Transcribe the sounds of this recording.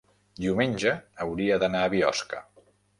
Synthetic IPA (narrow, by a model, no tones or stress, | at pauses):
d̪iumenʲʒəːwɾiəðənaəβiɔ̰skə